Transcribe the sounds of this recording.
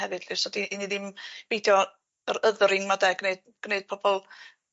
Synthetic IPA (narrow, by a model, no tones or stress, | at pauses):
ɛvɨd̥lɪsɔdiʔːniðɪmb̥ejdjɔ | əɾəðrɪŋmadɛɡneɨd̚ | ɡ̥neɨd̥̚pʰɔbɔlˠ